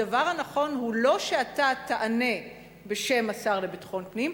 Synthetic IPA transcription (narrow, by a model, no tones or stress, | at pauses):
avaʁhanaχo̞nhulo̞ʃeat̪at̪aʔane̞ | be̞ʃe̞masaʁle̞bit̪χo̞npnim